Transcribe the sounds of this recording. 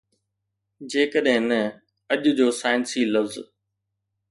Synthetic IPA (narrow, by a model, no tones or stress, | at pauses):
d͡ʑeːkəɗɦɪ̃nɐ | ɐʄʊd͡ʑoːsaːɪnsiːlɐfz